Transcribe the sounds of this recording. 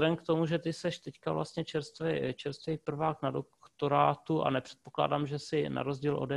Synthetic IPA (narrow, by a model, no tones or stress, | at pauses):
dɛnkt̪omuʒɛt̪ɪsɛʃt̪ɛckavlʔa̰st̪ɲɛt͡ʃɛɾst̪vɛjt͡ʃɛɾst̪vɛjpr̩vaːknadokt̪o̞ɾaːt̪uʔa̰nɛpr̥ɛ̥t̪̚pokla̰ːdaːmʒɛsɪna̰ɾo̞zɟiːlʔo̰dɛ